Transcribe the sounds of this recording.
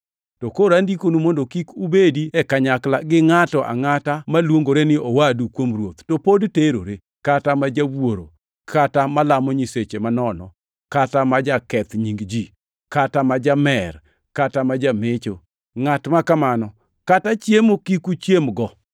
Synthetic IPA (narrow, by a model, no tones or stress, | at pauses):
tokoɾandikonumondokikubediɛkaɲaklaɡɪŋatɔʔa̰ŋatamalwoŋɡoɾenɪowadukwomrwot̪topodteɾo̰ɾe | katamad͡ʒawwoɾo̰ | kʰatamalamɔɲiset͡ʃemanɔnɔ̰ | katamad͡ʒakɛt̪ɲiŋɡd͡ʒi | katamad͡ʒamɛr | katamad͡ʒamet͡ʃo | ŋatmakamanɔ | katat͡ʃjemokikut͡ʃjemɡɔ